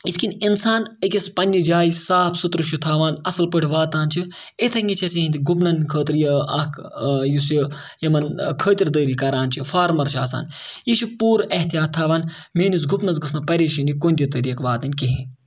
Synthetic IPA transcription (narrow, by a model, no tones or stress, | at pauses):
it̪ʰʲkininsaːnəkʲɐspɐnʲːid͡ʒaːjisaːpʰsut̪ɾɨʃut̪ʰaːʋaːnɐsɐlpəʈʰʲiʋaːt̪aːnt͡ʃʰi | it̪ʰɐŋʲɡit͡ʃʰɐsiinʲt̪iɡup̬nɐnkʰəːt̪ɾjɐɐkʰjusji | jɐmɐnkʰəːt̪ʲiɾd̪əːɾikɐɾaːnt͡ʃʰifaːɾmɐɾʃʰaːsa̰ːnjiʃʰipuːɾɐht̪ijaːt̪ʰːaːʋaːnmeːnusɡupnɐzɡɨsnɐpɐɾeːʃinʲikoːnʲd̪ʲit̪əɾiːkʋaːt̪ɐnʲkiɦĩ